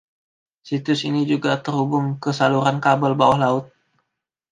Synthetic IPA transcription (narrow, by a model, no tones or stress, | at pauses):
sit̪ʊsinid͡ʒuɡat̪ərhubʊŋkəsaluɾankabəlbawaɦlaʊt̪̚